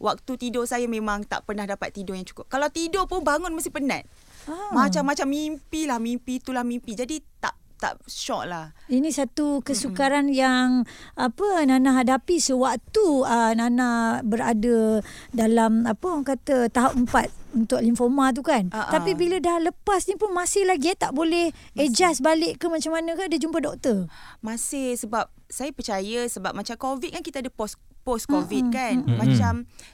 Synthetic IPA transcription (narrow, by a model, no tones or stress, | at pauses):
wa̰k̚t̪ut̪idɔsajamẽmãŋt̪a̰ʔpərnahdapat̪ːidɔjaŋt͡ʃu̥kʊp̚kalawt̪idopʊnbaŋʊnməst̪ihpəna̰t̪̚ | amat͡ʃamːat͡ʃamːimpilahmimpit̪ulahmimpid͡ʒadit̪a̰ʔ | t̪a̰ʔʃɔ̰ʔ̚lahinĩsat̪ukəsukaɾanjaŋapənanaɦadapisəwak̚t̪uənanahbəɾadədalamapəŋkat̪ət̪aɦawəmpat̪̚unt̪ʊklinfomat̪̬ukanʔ̪apibilədahləpasnipʊnmãsɪhlaɡiat̪aʔbolɛh | ed͡ʒasbalɪʔkəmat͡ʃamanə̃kaadəd͡ʒumpədɔk̚t̪əmasɪhsəbap̚sajapərt͡ʃajəsəbap̚mat͡ʃamkovit̪̚kankit̪aadəpos | pɔskovit̪kanmat͡ʃam